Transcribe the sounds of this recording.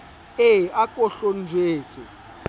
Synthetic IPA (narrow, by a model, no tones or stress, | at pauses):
eakʼɔɬɔnd͡ʒʱweːt͡sʼɛ